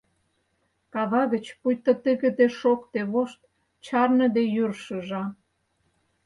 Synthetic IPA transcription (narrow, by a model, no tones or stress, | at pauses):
kɑβɑɣə̆t͡ɕpujt̪ŏt̪əɣə̆d̪eʃokt̪eβoʃt̪̚ | t͡ɕɑrnə̆d̪ejyrʃə̆ʒɑ